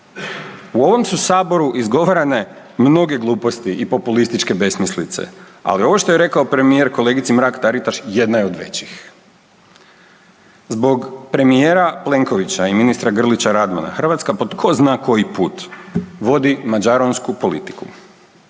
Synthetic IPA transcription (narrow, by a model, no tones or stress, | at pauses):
uo̞ʋo̞msusaːbo̞ɾuʔizɡo̞ʋaɾane̞ | mno̞ɡe̞ɡlˠuːpo̞st̪iʔipo̞pulist̪it͡ʃke̞be̞smislit̪sḛ | a̰lio̞ʋo̞ʃt̪o̞je̞ɾe̞kaopɾe̞mije̞ɾko̞le̞ːɡit̪simɾaːkt̪aɾit̪aʃje̞d̪najeo̞d̪ʋe̞̰t͡ɕix | zbo̞ɡpɾe̞mijeːɾaple̞ŋko̞ʋit͡ɕaiminist̪ɾaɡr̩lit͡ɕaɾad̪ma̰na̰xr̩ʋat̪skapo̞d̪kʰo̞znaːko̞jipuːt̪ʋo̞d̪imad͡ʑaɾonskupo̞lḭt̪i̥ku